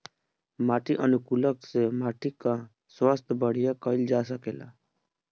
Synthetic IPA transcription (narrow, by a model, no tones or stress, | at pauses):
maːʈiʔənʊkuːləksemaːʈikã | swaːst̪ʰbəɽ̤ijakəɪld͡ʒaːsəkeːla̰ː